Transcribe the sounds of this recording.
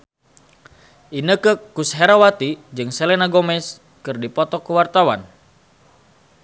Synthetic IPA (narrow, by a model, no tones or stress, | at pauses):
ʔinəkəkusɦɛɾawat̪id͡ʒɨŋsɛlɛnaɡɔmɛs | kɨrdipɔt̪ɔkəwart̪awan